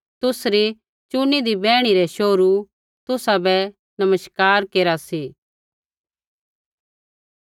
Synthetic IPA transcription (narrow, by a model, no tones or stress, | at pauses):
t̪ʊsɾi | t͡ʃʊnid̪ibɛːɽ̃iɾɛʃoːɾu | t̪ʊsabɛ | nɐməʃkaːɾkeːɾasiː